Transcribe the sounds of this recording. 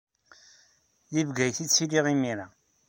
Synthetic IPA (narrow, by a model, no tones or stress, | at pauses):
jivɡæjθit͡sːiliʁimiɾa